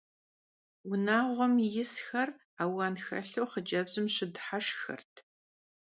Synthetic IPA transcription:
wʊnaːʁʷɔmjɪsxɐr | aːwɑːnxɐ̰ɬɐwχəd͡ʒɐbzɨmɕɪdħaʂxɐ̰rtʰ

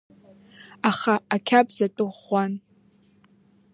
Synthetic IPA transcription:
aχaakʲʰapʼzatʼɨʁʷan

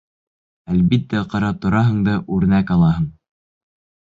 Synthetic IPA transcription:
ælβit̪ːæqɑ̆ɾɑt̪ŏɾɑɦɤ̆ɴd̪ɑʔʉɾ̆nækɑlˠɑɦɤɴ

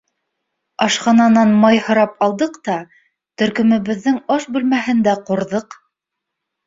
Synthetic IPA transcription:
ɑʃqɑnɑnɑnmɑjhŏɾɑpɑlˠd̪ɤqt̪ɑ | t̪ɵ̆ɾkɵ̆mɘ̆βɘ̆ðːɘŋɑʃbʉlmæɦɘ̆nd̪æqŏɾðɤq

